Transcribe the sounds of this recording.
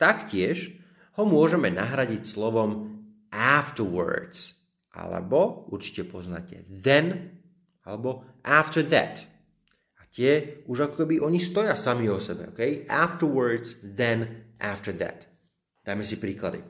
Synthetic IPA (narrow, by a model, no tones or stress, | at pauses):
t̪akcɪɛʒ | hɔmʊɔʒɛmɛnaɦɾaɟicslɔʋɔm | ʔaft̪əɹwə̰ɹd̪z̥ | ʔa̰lɛ̰bɔuɾt͡ʃi̥cɛpɔzna̰cɛ̰ðɛn | alɛbɔ | ʔaft̪əɹðæ̰t̪ | at̪ɪɛuʒakɔkɛbiʔɔɲist̪ɔjasamiɔsɛbɛ̰ɔ̰kɛjʔaft̪əwə˞d̪zðɛnʔaft̪əɾðæ̰t̪ | d̪ajmɛsipɾiːkla̰d̪ḭ